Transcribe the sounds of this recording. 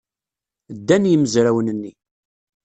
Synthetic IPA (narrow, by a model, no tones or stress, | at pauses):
d̪ːænjəməzɾæwənənːi